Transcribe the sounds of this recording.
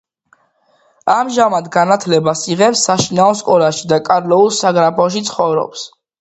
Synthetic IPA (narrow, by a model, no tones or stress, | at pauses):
amʒamad̪ɡanat̪ʰlɛbasiʁɛpsːaʃinaɔskʼɔlaʃid̪akʼaɾlɛulˠsaɡɾapʰɔʃ̬it̪sʰχɔvɾɔ̰ps